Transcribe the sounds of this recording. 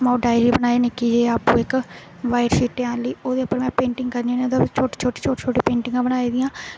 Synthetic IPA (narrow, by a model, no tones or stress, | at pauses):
mãũɖaːjɾiːbənaːeːnɪkiːd͡ʒeːaːpũːɪk | ʋaːɪɾsiːʈeãːnləiːoːd̪eːʊpːəɾmɛ̃ːpẽːɳʈɪŋɡkəɾnĩːned̪t͡ʃʰoːʈiːt͡ʃʰoːʈiːt͡ʃʰoːʈeːt͡ʃʰoːʈiːpẽːɳʈɪ̃ŋɡãːbənaːiːd̪ijãː